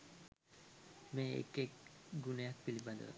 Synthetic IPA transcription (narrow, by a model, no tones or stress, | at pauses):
meḛkekɡunejak̚pilibad̪o̰